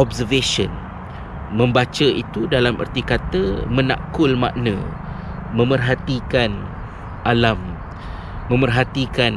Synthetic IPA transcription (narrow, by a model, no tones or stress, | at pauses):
ɔbsərvesɔn | mə̃mbat͡ʃəʔit̪udalamə̰rt̪ikat̪əmə̃nã̰kʊlma̰ʔnə̰̃ | mə̃mərɦat̪ikan | ʔalamː | ə̃mərɦat̪ikan